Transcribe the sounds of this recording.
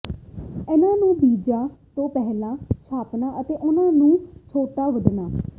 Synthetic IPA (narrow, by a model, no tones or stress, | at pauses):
ɪnãːnũːbiːd͡ʒaːt̪õːpɛɦlãːt͡ʃʰaːpnaːʔət̪eːʔʊnãːnũːt͡ʃʰoːʈaːʋəɖ̪naː